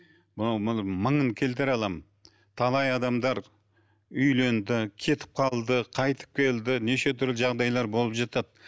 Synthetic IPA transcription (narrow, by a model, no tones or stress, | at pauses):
mʊɑwməməɴəŋkʲʰe̞lt̪ɪɾɑlˠɑm | t̪ʰɑlˠɑjɑd̪ɑmd̪ɑɾ | ʏjle̞nd̪ɪkʲʰe̞t̪ʰɪ̥p̚qʰɑlˠd̪əqʰɑjt̪ʰə̥p̚kʲʰe̞ld̪ɪneʃe̞t̪ʰʏɾlɪʒɑʁd̪ɑjlˠɑɾbo̞lˠəpʒɑt̪ɑt̪̚